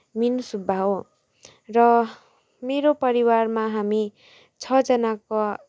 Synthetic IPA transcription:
minusubʱao | rʌ | meɾopʌɾiwarmaɦami | t͡sʰʌd͡zʌnako

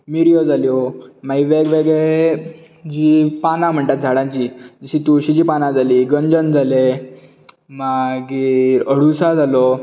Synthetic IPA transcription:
miɾjɔd͡zaljomaɡiʋeɡʋeɡe | d͡ʑipanãm̤əɳʈ̪at̪̚d͡zʱaɽãɲt͡ɕiːd͡ʑiɕit̪uɕid͡ʑiːpanãd͡zaliɡəɲd͡zənd͡zʱale | maɡiɾəɽusad͡zalɔ

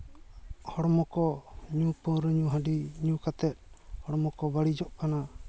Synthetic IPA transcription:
hɔɽɔmɔkɔɲũpə̃ɾəɲũɦaɖiɲũkat̪ɛt̪̚hɔɽɔmɔkɔbaɽid͡ʒɔʔkana

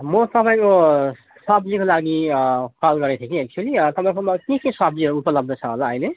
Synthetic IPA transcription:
mʌt̪ʌpaĩko | sʌblikolaɡikalɡʌɾet̪ʰekĩek̚t͡ʃuʌlit̪ʌpaĩkʌmʌkẽkẽsʌbliʌɾuupʌlʌb̚d̪ʱʌt͡sʰʌɦo̰laʌjle

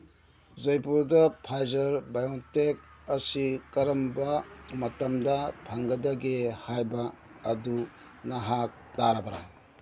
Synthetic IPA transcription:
zɐjpuɾdɐpʰajzɐɾbajontek̚ɐsikɐɾɐmbɐmɐtɐmdɐbʰʱaŋɡɐdɐɡehajbɐː | du | nɐɦak̚daɾɐbɐɾa̰

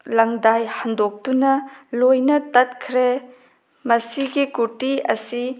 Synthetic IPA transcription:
lɐŋdajhɐndok̚tunɐlojnɐtɐt̚kʰɾe | mɐsiɡikuɾtiɐ̰si

